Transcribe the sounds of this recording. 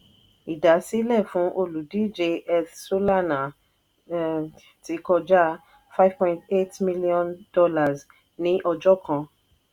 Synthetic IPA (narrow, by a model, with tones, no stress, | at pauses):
i˨da˨˦si˦lɛ˦˨fũ˨˦ʔo˧lu˨di˦d͡ʒe˧ɛ˧θso˦la˦˨na˨ | ti˨˦kɔ˧d͡ʒa˦ | fa˦ɪ˦v̥pɔ̃˨ĩnte˦tmi˦li˦ɔ̃˦ndɔ˦la˨z | nĩ˨˦ʔɔ˧d͡ʒɔ˦kã˧